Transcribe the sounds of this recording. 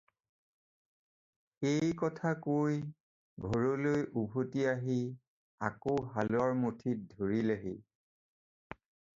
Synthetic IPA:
ejkɔtʰakoj | ɡʱɔɹolojʔubʱotiaɦi | a̰koɦalʊaɹmotʰit̚dʱoɹileɦḭ

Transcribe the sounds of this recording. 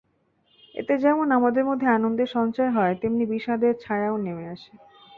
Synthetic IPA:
ḛt̪ed͡ʑɛmonamad̪eɾmod̪ʱːeanond̪eɾʃɔnt͡ɕaeɦɔet̪imnibiʃad̪eɾt͡ɕʰajaonemeaʃe

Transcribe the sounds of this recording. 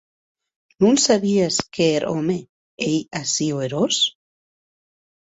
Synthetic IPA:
nũnsaβiaskeːɾʔome | ejasioeɾos

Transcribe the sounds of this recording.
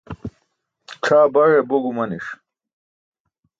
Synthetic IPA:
ʈ͡ʂʰaːbɐɻeboɡumɐniʂ

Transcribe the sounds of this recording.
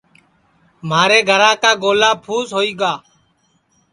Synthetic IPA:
maːɾeːɡʱəɾãːkaːɡoːlaːpʰuːsɦoːiːɡaː

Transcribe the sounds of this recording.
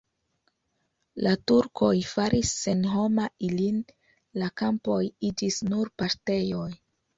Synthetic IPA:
latuɾkʰo̞jfaɾʔisːe̞nɦo̞mailin | lakampo̞jid͡ʒisnuɾpaɾte̞jo̞j

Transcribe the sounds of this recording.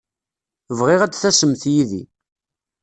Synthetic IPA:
vʁɪʁæt͡sːθæsəmθjiðḭ

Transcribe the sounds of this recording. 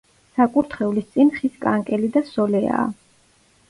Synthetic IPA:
sakʼuɾt̪ʰχɛulist̪sʼinχiskʼaŋkʼɛlid̪asɔlɛa̰ː

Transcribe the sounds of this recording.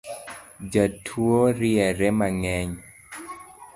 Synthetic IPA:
d͡ʒatʰwoɾiɛɾɛmaŋɛɲ

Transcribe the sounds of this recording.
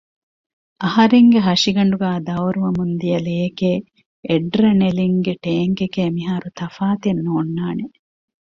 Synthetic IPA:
ʔɐhɐɾeŋɡeɦɐʃiɡɐɳɖuɡaːd̪ɐʋɾuʋɐmund̪ijɐleːkeː | ɖɾɐneliŋɡeʈeːŋkekeːmiɦaːɾut̪ɐfaːt̪enːoːnːaːne

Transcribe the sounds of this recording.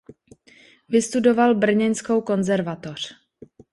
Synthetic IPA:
vɪst̪udo̞valbr̩ɲɛnsko̞wko̞nzɛɾvat̪o̞r̝̥

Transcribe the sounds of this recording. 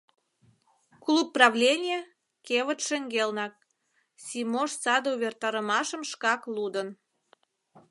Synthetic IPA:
klupːrɑvlʲenʲije | keβət̪ʃeŋɡelnɑk̚ | sʲimoʃt͡sɑd̪ouβʲert̪ɑɾəmɑʃəmʃkɑklud̪ən

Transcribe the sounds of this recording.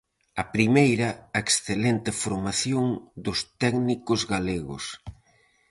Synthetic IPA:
ɐpɾimejɾɐeksθelent̪ɪfoɾmaθjoŋd̪ʊst̪ɛɡnikʊzɣaleɣʊ̰s

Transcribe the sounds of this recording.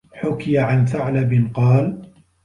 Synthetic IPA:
ħʊkɪjaʕanθaʕlabɪnqɑːl

